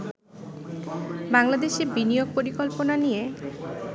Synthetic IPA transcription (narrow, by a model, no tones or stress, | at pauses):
baŋlad̪eʃebinijoɡ̚poɾikɔlponanije